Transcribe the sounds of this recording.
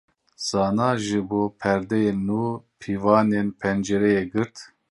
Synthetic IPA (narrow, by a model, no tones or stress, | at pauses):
sɑːnɑːʒɨboːpʰɛɾd̪ɛjeːuːpʰiːvɑːnenpʰɛnd͡ʒɛɾɛjeːɡɨɾt̪